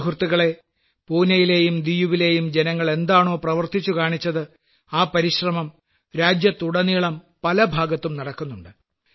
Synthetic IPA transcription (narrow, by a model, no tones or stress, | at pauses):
ɦurt̪ːiɣɐɭe̞ | puːnɐjile̞ːjumd̪ijuʋile̞ːjumd͡ʑe̞nɐŋːɐɭe̞nd̪aːɳo̞ːprɐʋɐrt̪it͡ɕːukaːɳit͡ɕːɐðɨ | aːpɐɾiɕrɐmɐm | ɾaːd͡ʑjɐt̪ːuɽɐniːɭɐm | pɐlɐbʱaːɡɐt̪ːumnɐɽɐkːunːuɳɖɨ